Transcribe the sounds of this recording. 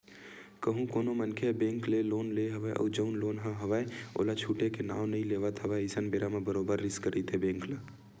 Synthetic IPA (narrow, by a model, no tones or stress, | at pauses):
kəɦũkoːnomənkʰebẽːŋkleloːnleɦəʋaeʔɔ̰ːɾd͡ʒəʊnloːnɦə̃ɦəʋaeo̰ːlat͡ʃʰuːʈekena̰ːʊnɐɦĩleːʋət̪ɦəʋaːeɪsənbeːɾamebəɾoːbəɾːɪskəɾət̪ɦebẽːŋkla